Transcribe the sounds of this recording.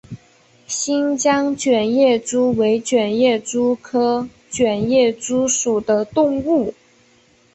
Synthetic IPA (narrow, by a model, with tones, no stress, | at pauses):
ɕi˥nt͡ɕjɑ˥ŋt͡ɕɥɛ˨˩njɛ˥˩ʈ͡ʂu˥we˧˥ɪt͡ɕɥɛ˨˩njɛ˥˩ʈ͡ʂu˥kʰɤ˥ | t͡ɕɥɛ˨˩njɛ˥˩ʈ͡ʂu˥ʂu˨˩d̪ə˦t̪ʊ˥˧ŋu˥˩